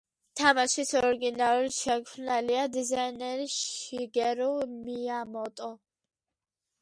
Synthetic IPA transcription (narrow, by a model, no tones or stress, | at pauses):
t̪ʰamaʃisɔɾɡinaɾuliʃɛkʰnaliad̪izainɛɾiʃiɡɛɾumiamɔt̪ʼɔ